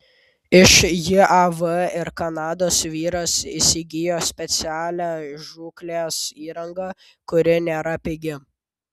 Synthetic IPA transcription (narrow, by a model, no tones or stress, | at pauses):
ɪʃjɪɐʋəɪɾkɐnɑːd̪oːsʋʲiːɾɐsiːsʲɪɡʲɪjoːsʲpʲɛt̪sʲæːlʲæːʒuːklʲeːsiːɾɐŋɡɐ | kʊɾʲɪnʲeːɾɐpʲɪɡʲɪ